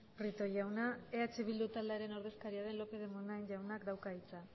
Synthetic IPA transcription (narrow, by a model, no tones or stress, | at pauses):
rit̪o̞jawnae̞at͡ʃeβild̪ut̪ald̪eaɾe̞no̞ɾð̞e̞skaɾiaðe̞nlo̞pe̞ðemonaeɲʝawnakd̪awkait͡sa